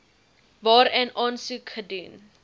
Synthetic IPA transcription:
vɑːɾɛnɑːnsukχədʉn

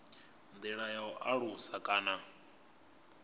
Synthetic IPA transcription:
nd̪ɛɺajaɔʔaɺusakʼaːna

